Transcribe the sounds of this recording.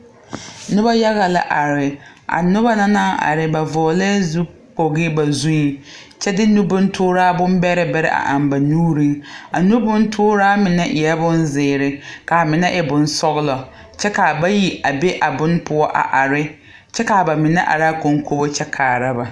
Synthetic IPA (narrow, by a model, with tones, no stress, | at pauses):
nʊ˦ba˦ja˦ɣa˨la̰˦ʔa˨ɾɪ˨ | ʔa̰˨nʊ˦ba˦na˦naː˦ʔa̰˨ɾɪ˨ba˨vɔː˨lɛ˦zu˦ | k͡po˨ɣɪ˦ba˨zu˦i˨ | t͡ʃɛ˦dɪ˦nu˦bʊ˦ntʰʊː˦ɾaː˦bʊ˦mbɛ˦ɾɪ˦bɛ˦ɾɪ̰˦ʔa̰˨ʔa˨mba˨nuː˦ɾi˦ŋa˨nu˦bʊ˦n˦tʰʊː˦ɾaː˦mɪ˨nɛ˦ʔɪ˨a˦bʊ˦nzɪː˨ɾɪ˦ka˨mɪ˨nɛ˦ʔɛ˨bʊ˨nsɔ˦ɣɪ˦lɔ˨ | t͡ʃɛ˦ka˨ba˦ji˨a˨be˦ʔa˨bʊ˦npʊ˦ɔ˦ʔa̰˨ʔa˨ɾɪ˦ | t͡ʃɛ˦ka˨ba˨mɪ˨nɛ˦ʔa̰˨ɾa˦ko˨ŋ˦kʰo˦bo˦t͡ʃɛ˦kʰaː˨ɾa˦ba˨